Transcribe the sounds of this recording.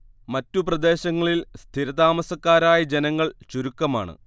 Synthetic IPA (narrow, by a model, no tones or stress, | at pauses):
mɐtːuprɐd̪e̞ːɕɐŋːɐɭilst̪ʰiɾɐd̪aːmɐsɐkːaːɾaːjɐd͡ʑe̞nɐŋːɐɭt͡ɕuɾukːɐma̰ːɳɨ̰